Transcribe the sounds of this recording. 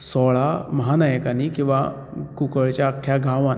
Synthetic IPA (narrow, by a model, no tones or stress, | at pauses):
sɔɭaməɦanajəkanikĩw̃ʋa | kukəɭt͡ɕjaːkʰːjaɡãʋãn